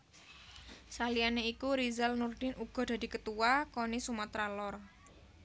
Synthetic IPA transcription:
salianeikuɾizalnurd̪̥ɪnuɡ̥ɔ̤d̥̪a̤d̪̥i̤kət̪uwakonisumat̪ɾalɔr

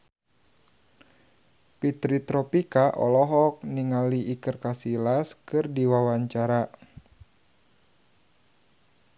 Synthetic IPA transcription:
pit̪ɾit̪ɾɔpikaʔɔ̰lɔɦɔk̚niŋaliʔːkɨrkasilaskɨrdiwawaɲt͡ʃaɾa

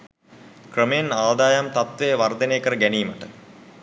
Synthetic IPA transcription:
krəmejenaːd̪aːjamt̪at̪ʋeːʋard̪əneːkəɾəɡæniːməʈə

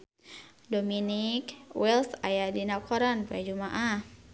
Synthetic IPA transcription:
dominikwɛlsajadinakʰɔɾanpajad͡ʒumaʔah

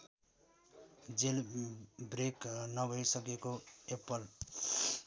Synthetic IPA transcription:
d͡zelbreknʌbʱʌjsʌkekoepʌl

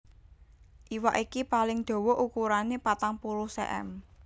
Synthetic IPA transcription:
ʔiwa̰ʔikipalɪŋd̪̥o̤wɔʔukuɾanepat̪aŋpuɾuhsɛ̰ʔɛ̰m

